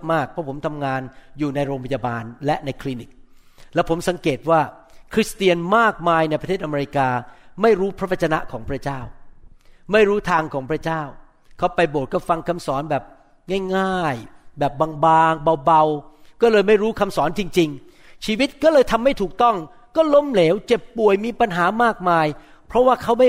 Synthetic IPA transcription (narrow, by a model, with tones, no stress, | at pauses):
maː˥˩k̚pʰːɔ˦˥pʰo˩˦mt̪ʰa˧mŋaː˧njuː˨˩na˧jɾoː˧ŋpʰa˧jaː˧baː˧nlɛ˦˥ʔna˧jkʰliː˧ni˨˦˩k̚ | lɛː˦˥wpʰo˩˦msa˨˩˦ŋkeː˨˩t̪̚waː˥˩ | kʰɾi˦˥st̪i˧ənmaː˥˩k̚maː˧jna˧jpʰa˧t̪ʰeː˥˩t̪ʔa˧e˧ɾi˧˥kaː˧ma˥˩jɾuː˦˥pʰɾa˦˥wa˧t̚t͡ɕa˧na˦˥ʔkʰɔː˩˦ŋpʰɾa˦˥t͡ɕaː˥˩w | ma˥˩jɾuː˦˥t̪ʰaː˧ŋkʰɔː˩˦ŋpʰɾa˦˥t͡ɕaː˥˩w | kʰa˦˥wpa˧jboː˨˩t̪̚kɔː˥˩fa˧ŋkʰa˧msɔː˩˦nbɛː˨˩p̚ | ŋaː˥˩jŋaː˥˩jbɛː˨˩p̚baː˧ŋbaː˧ŋba˧wba˧wkɔː˥˩lɤː˧jma˥˩jɾuː˦˥kʰa˧msɔː˩˦nt͡ɕi˧ŋt͡ɕi˧ŋ | t͡ɕʰiː˧wi˦˥t̪̚kɔː˥˩lɤː˧jt̪ʰa˧mːa˥˩jt̪ʰuː˨˩k̚t̪ɔ˥˩ŋ | kɔː˥˩lo˦˥mleː˩˦˥wt͡ɕe˨˩pːu˨˩əjmiː˧pa˧nɦaː˩˦maː˥˩k̚maː˧j | pʰɾɔ˦˥waː˥˩kʰa˦˥wma˥˩